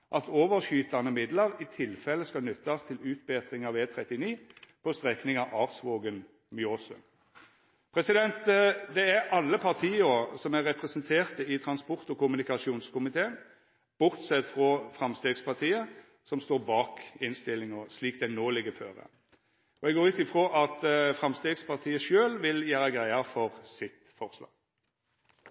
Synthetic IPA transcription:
ʔɑt̪oːʋəʁʃyːt̪ɑnəmɪd̪ləɾɪt̪ʰɪlfɛləskɑlnʏt̪ːɑst̪ʰɪlʉːt̪̚beːt̪ʁɪŋɑʋeːt̪ʰʁɛt̪ːɪniːpʰɔst̪ʁɛknɪŋɑʋɑːʁsʋoːɡən | mʏoːsə̰ | pʰʁɛsɪd̪ɛnt̪d̪ɛæʁʔɑlːəpʰɑʁt̪ʰiːəɔsɔmæʁɛpʁɛsənt̪ʰeːʁt̪əɪt̪ʰʁɑnspɔʁt̪ɔkʊmʉnɪkɑʂuːnskʊmɪt̪ʰeːn | b̥ʊʁt̪sɛt̪fʁɔːfʁɑmst̪eːɡspɑʁt̪ʰiːə | sɔmst̪oːɾbɑːkɪnst̪ɪlːɪŋəsliːk̚d̪ɛnoːlɪɡəfø̰ːʁə̰ | ɔɛɡoːɾʉːt̪ɪfʁoːʔɑt̪fʁɑmst̪eːɡspʰɑʁt̪ʰiːəʃøːlʋɪljæːɾəɡɾæɪɑfɔʁsɪt̪fɔʁslɑ̰ːɡ̥

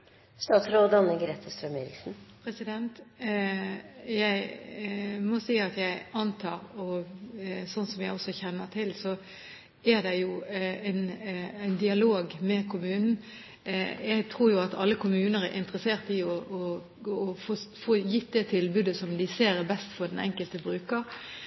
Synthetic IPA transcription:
st̪ɑːt̪sɾoːd̪əɑnːəɡɾeːt̪ʰəst̪ɾœmeːɾɪ̰ksn̩pʰɾɛsɪd̪ɛnt̪ | jæɪ | mɔsiɪɑt̪jæɪɑnt̪ʰɑːɾɔ | sɔnsɔmjæɪɔsːɔçɛnːət̪ʰɪlsɔ | æɾd̪ɛjʊæɪnæɪnd̪ɪɑloːɡmɛkʰʊmʉːnn̩ | jæɪt̪ʰɾuːɾjʊɑt̪ɑ̰lːəkʰʊmʉːnəɾæ̰ɾʔɪ̰nt̪əɾəseːʁt̪ɪɔʔɔː | foːfoːjɪt̪̚d̪ɛt̪ʰɪlbʉːd̪əsɔmd̪ɪseːɾɛbɛst̪fɔɾd̪ɛnɛ̰ŋkəlt̪əbɾʉːkəɾ

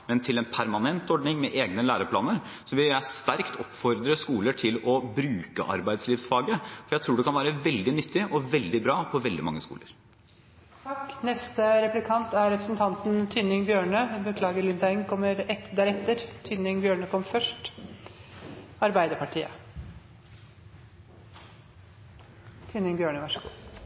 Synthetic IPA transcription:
mɛnt̪ʰɪlɛnpʰæɾmɑnɛnt̪ɔɖɳɪŋmɛʔeːɡnəlæːɾəpʰlɑ̰ːnəɾsɔʋɪljæɪst̪æɾkt̪ʰɔpːfɔɾd̪ɾəskuːləʈʰɪlɔbɾʉːkəʔɑ̰ɾbæɪd̪sliːʋsfɑːɡəfɔjæɪt̪ʰɾuːɖɛkɑnʋæːɾəʋɛld̪ɪnʏt̪ʰːɪʔɔʋɛld̪ɪbɾɑːpʰɔʋɛld̪ɪ̰mɑ̰ŋːəskṵːləɾ | t̪ʰknɛst̪əɾɛplɪkʰɑnt̪æɾɾɛpɾəsnt̪ʰɑnt̪nt̪ʰʏnɪŋbjøːɳəbəkʰlɑːɡəɾlɪnd̪æɪŋkʰɔmːəɾɛt̪d̪æːɾɛt̪ːəɾt̪ʰʏnɪŋbjøːɳəkʰɔmːfœʂʈ | ɑɾbæɪd̪əpʰɑʈʰiːə̰ | t̪ʰʏnɪŋbjøːɳəʋɑʂəɡṵː

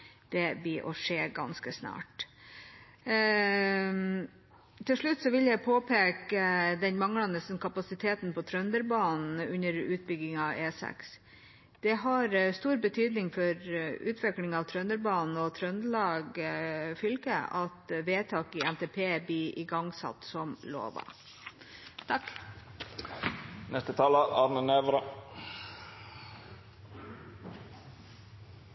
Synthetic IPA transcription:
d̪̥ɛbiːʔɔ̰ʂeːɡɑ̰nskəsnɑ̰ːʈ | t̪ʰɪlʂɭʉt̪ːsɔʋɪljæɪpʰoːpʰeːkəd̪ɛnmɑŋːɽɑnəskʰɑpɑsɪt̪ʰeːt̪npɔt̪ʰɾœnd̪əɾbɑːnn̩ʉnəɾʉːt̪̚bʏɡɪŋɑeːsɛ̰ks | d̪̥ɛɦɑɾst̪uːɾbət̪ʰyːd̪nɪŋfɔɾʉːt̪ʰʋɪklɪŋɑʋt̪ʰɾœnəɾbɑːnn̩ɔt̪ʰɾœnlɑːɡfʏlkəɑt̪ʋeːt̪ʰɑːkɪɛnt̪ʰɛpʰeːb̪iːʔɪɡɑŋsɑ̰t̪sɔmlo̰ːʋɑ̰ | t̪ʰɑk | nɛst̪ət̪ʰɑːləʔɑɾnəneːʋɾɑ

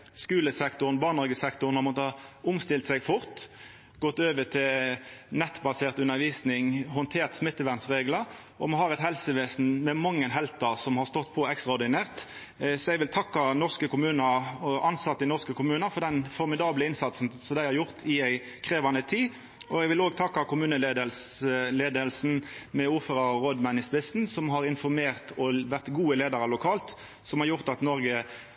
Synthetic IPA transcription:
skʉːləsɛkt̪ʊnbɑːʁnɑʁɡəsɛkt̪ʊʁnɑmɔt̪əɑʊmst̪ɪlt̪sɛɡfʊʁt̪ | ɡɔt̪ːøːʋət̪ʰɪlnɛt̪ːbɑseːʁt̪ʉnːəʋiːsnɪŋhʊnt̪ʰeːʁt̪smɪt̪ːəʋæʁnsʁeːɡlɑ | ɔmɔhɑːʁɛt̪hɛlsəʋeːsn̩mɛmɑŋːənɦɛlt̪ɑsɔmhɑʁst̪ɔt̪ːpʰɔɛkst̪ʁɑɔʁd̪ɪneːʁt̪ | sɔɛɡʋɪlt̪ʰɑkːɑnɔʁskəkʊmʉːnəɾʔɑnsɑt̪ːəɪnɔʁskəkʰʊmʉːnəfɔʁd̪ɛnfɔɾmɪd̪ɑːbləɪnsɑt̪sn̩sɔmd̪æɪhɑɾjʊʁt̪ʰɪæɪ | kʰʁeːʋɑnət̪ʰiː | ɔɛɡʋɪloːɡt̪ʰɑkːɑkʰʊmʉːnəleːd̪əlsleːd̪əlsn̩mɛuːføːʁɑʁoːd̪mɑnɪspɪsn̩sɔmɦɑʁɪnfɔɾmeːʁt̪ʰɔʋæʁt̪ɡuːəleːd̪ɑʁəlʊkʰɑːlt̪ | sɔmhɑɾʁjʊʁt̪ɑt̪nɔɾɡə

